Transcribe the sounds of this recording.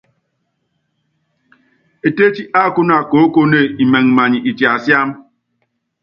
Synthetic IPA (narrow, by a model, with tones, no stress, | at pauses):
e˨te˦t͡ʃi˦ʔa˦˨kʊ˦n˦a˨ko˨˦ko˦ne˦˨i˨me˨ŋ̩˨ma˨ɲi˨ʔi˨t͡ʃi˨a˨sja˦m̩˦